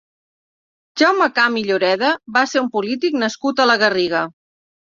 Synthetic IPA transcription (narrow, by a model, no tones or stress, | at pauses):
ʒawməkamiʎuɾɛðəβaseɾumpulit̪iknəskut̪ələɣəriɣə